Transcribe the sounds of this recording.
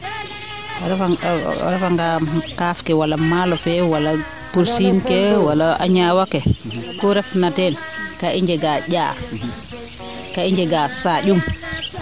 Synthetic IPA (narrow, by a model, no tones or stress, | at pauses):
ɾfa̰ɾɛfaŋɡakafkɛwalamalɔfɛwala | puɾsinkɛwalaʔa̰ɲawakɛkɔɾɛfnatɛn | kaʔiɲd͡ʒɛɡaɟa̰ː | kaiɲd͡ʒɛɡasaɗum